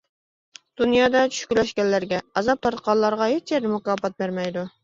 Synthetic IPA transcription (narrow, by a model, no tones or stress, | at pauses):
d̪̥unjɑːd̪ɑt͡ʃʰy̥ʃkʲylɛʃkʲɛnːæɾɡʲɛɑzɑp̚t̪ʰɑɾt̪qɑlˠɑɾʁɑɦet͡ʃjɛɾɪmʊkɑːfɑt̪̚beɾmɛjd̪u